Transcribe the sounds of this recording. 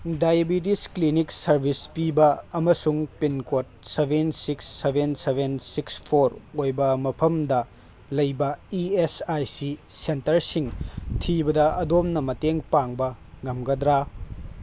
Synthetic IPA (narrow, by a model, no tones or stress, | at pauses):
dajebit̬iskliniksɐɾbʱispibɐɐmɐsuŋpinkot̚sebʱensiksːebʱensebensikspʰoɾojbɐmɐpʰɐmdɐ | lɐjbɐiesajsisentɐɾsiŋtʰibɐdɐɐdomnɐmɐteŋpaŋbɐ | ŋɐmɡɐd̪ɾa